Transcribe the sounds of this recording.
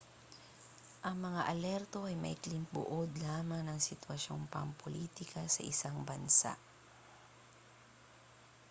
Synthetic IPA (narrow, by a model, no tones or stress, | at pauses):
ʔɐŋmɐŋaʔɐlɛɾt̪o̞ʔɐjmɐ̰ʔɪklɪmbʊ̰ʔod̪laːmɐŋnɐŋsɪt̪wɐʃonpɐŋpʰoliːt̪ɪkɐsɐʔɪsaŋbɐnsa̰ʔ